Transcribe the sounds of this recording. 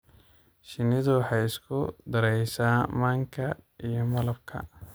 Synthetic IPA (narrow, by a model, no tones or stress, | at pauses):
ʃɪnɪðʊwɑħɑjɪskʰʊ̰d̪ɐɾɛjsaːmaːŋkʰɐijɞmɐlɐb̚kʰɐ̰